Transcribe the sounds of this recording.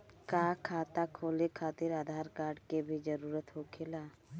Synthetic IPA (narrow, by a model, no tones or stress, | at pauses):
kaːkʰaːt̪akʰoːlekʰaːt̪ɪɾaːd̪ʱaːɾkaːɾɖkebʱid͡ʒəɾuːɾət̪ɦokʰeːlaː